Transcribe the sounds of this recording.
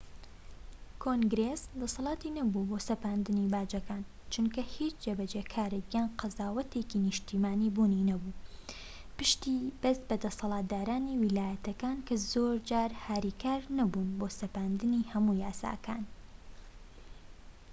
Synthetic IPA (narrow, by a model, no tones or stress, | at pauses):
kʰoŋɡɾesd̪ɐsɑlˠɑːt̪inɐbubosɐpaːnd̪ɨnibaːd͡ʒɐkaːn | t͡ʃʊnkɐhit͡ʃd͡ʒebɐd͡ʒeːkʰaːɾeɡjanqɐzaːwɐt̪eːkinɨʃt̪ʰimaːniːbuːninɐbuː | pɨʃt̪ib̥ɐsbɐd̪ɐsɐlˠaːt̪̚d̪aːɾaːniwɪlaːjɐt̪ʰɐkaːnkʰɐzoːɾd͡ʒaːɾhaːɾikʰaːɾnɐbuːnboːsɐpaːnd̪ɨnihɐmujaːsa̰ːkʰa̰ːn